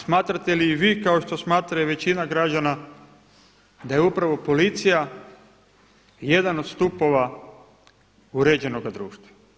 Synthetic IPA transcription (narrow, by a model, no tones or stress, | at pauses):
smaːt̪ɾat̪e̞liːʋiːkao̞ʃt̪o̞smaːt̪ɾajeʋe̞t͡ɕinaɡɾad͡ʑana | d̪aje̞upɾaʋo̞po̞lit̪sija | je̞d̪ano̞d̪st̪upo̞ʋa | uɾed͡ʑe̞no̞ɡad̪ɾṵːʃt̪ʋa